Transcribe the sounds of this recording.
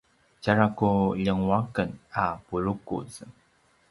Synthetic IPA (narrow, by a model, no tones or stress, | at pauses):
t͡ɕaɹakuʎəŋwakənapuɾukṵz